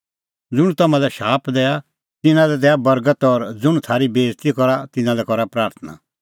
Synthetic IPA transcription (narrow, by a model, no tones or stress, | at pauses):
d͡zʊɽ̃ut̪ɐmãlɛʃaːpʰd̪ɛːja | t̪ɪnãlɛd̪ɛːabɐɾɡət̪ɔɾd͡zʊɽ̃ut̪ʰaːɾibeːzt̪ikɔɾat̪ɪnãlɛkɔɾapɾaːɾt̪ʰəna̰